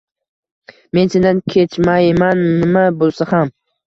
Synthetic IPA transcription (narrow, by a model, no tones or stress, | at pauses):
me̞nsend̪ankʲʰet͡ʃmajmannɪmabolˠsaham